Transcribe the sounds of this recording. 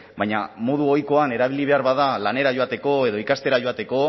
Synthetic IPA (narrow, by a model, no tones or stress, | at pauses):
baɲamo̞ð̞uo̞jko̞ane̞ɾaβiliβ̞e̞aɾβaðalane̞ɾaʝo̞at̪e̞ko̞e̞ðo̞ikast̪e̞ɾaʝo̞at̪e̞ko̞